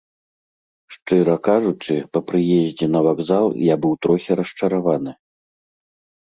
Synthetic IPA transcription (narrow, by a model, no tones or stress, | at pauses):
ʂt͡ʂɨɾɐkaʐut͡ʂɨpɐpɾɨjɛzʲd͡zʲɛnɐvaɡzalˠjabɨwt̪ɾɔxʲiɾɐʂt͡ʂɐɾavanɨ